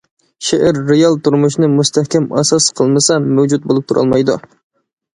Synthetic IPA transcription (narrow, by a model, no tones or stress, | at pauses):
ʃeʔæɾːejɑlˠt̪ʰuɾmuʃnɪmust̪ʰæhkʲɛmɑsɑsqʰəlˠmɨsɑmɛwd͡ʒut̪̚bolˠup̚t̪ʰuɾʔɑ̰lˠmɑjd̪ṵ